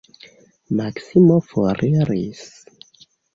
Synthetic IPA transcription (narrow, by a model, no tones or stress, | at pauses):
maksimofoɾʔiɾḭs